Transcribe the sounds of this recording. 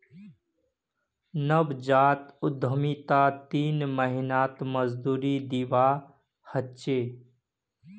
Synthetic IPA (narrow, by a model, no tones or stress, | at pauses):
nəbd͡ʒaːt̪ʊd̪ʱəmit̪aːt̪iːnməɦinaːt̪məzd̪uːɾid̪iʋaː | hətt͡ʃeː